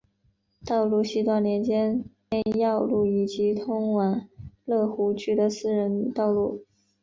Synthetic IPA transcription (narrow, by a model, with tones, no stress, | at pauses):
t̪ɑ˥˧ʊlu˥˧ɕi˥˧t̪wa˥˩nljɛ˧˥nt͡ɕjɛ˥nne˥˧ɪjɑ˥˧ʊlu˥˩i˨˩t͡ɕi˧˥t̪ʰʊ˥ŋwa˨˩nlɤ˥˩xu˧˥t͡ɕy˥˩d̪ə˨sɹ̩˥˧ɻə˧˥nt̪ɑ˥˧ʊlu˥˩